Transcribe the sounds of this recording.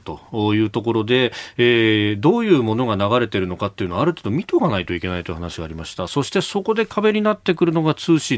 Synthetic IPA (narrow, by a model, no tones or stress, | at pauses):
t̪o̞jɯ̟ːt̪o̞ko̞ɾo̞d̪e̞eːd̪o̞ːjɯ̟ːmo̞no̞ɡanaɣaɾe̞t̪e̞ɾɯ̟nokat̪ːe̞iɯ̟no̞aɾɯ̟t̪eːd̪o̞mʲit̪oɡanait̪o̞ikʲe̞nait̪o̞jɯ̟hanaɕiɡaːɾimaɕi̥t̪aso̞ɕi̥t̪e̞so̞ko̞d̪e̞kʰabe̞ɲ̟inat̪ːe̞kɯɾɯ̟no̞ɡat͡sɨːɕi